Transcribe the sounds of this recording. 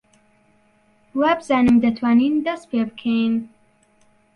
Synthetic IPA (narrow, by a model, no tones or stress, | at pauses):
wabɨzaːnɨmd̪ɐt̪ʰwaːniːnd̪ɐst̪̚pʰebɨkʰejn